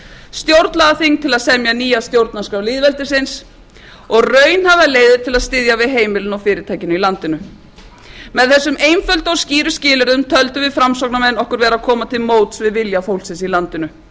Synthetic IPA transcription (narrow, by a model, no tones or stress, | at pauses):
st̪jowɾt̪nlaðaθiŋt̪ʰɪlaðsɛmjaniːjast̪jowɾt̪naskawliðvɛlt̪ɪsɪns | ɔɣrœːɥnhavaleːjðɪɾ̥t̪ʰɪlaðst̪ɪðjavɪðɦeːjmɪlʏnɔwfɪːɾɪt̪ʰaːjcɪnʏilant̪ɪnʏ | mɛðθɛsːʏmeːjmfœlt̪ɔsciːɾʏscɪːlʏɾðʏmt̪ʰœlt̪ʏvɪðfɾamsɔk̚namɛnːɔhkʏɾvɛːɾaðkʰɔːmat̪ʰɪlmoːwt̪svɪðvɪljafowlsɪnsilant̪ɪnʏ